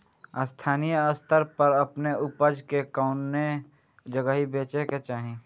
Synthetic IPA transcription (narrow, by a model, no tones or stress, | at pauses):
əst̪ʰaːnijəəst̪ʰəɾpəɾəpneʊpəd͡ʒkekaʊne | d͡ʒəɡəɦibeːt͡ʃeket͡ʃaːɦẽː